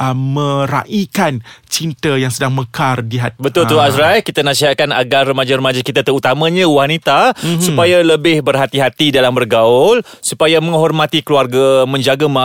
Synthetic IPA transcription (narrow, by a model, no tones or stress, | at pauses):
ʔəmə̃ɾa̰ʔikant͡ʃint̪əjaŋsədaŋməkardiɦat̪bət̪ʊlt̪uasɾajkit̪anasiɦaʔ̚kanaɡarːəmad͡ʒaɾəmad͡ʒakit̪at̪əɾut̪amãɲãwanit̪asupajaləbɪhbərɦat̪iɦat̪idalambərɡaʊl | supajamə̃ŋɦɔrmãt̪ikluarɡamə̃ɲd͡ʒaɡama